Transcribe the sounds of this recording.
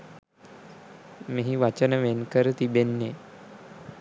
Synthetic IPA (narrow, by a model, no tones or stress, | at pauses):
meɦiʋat͡ɕənəʋenkəɾt̪ibenːe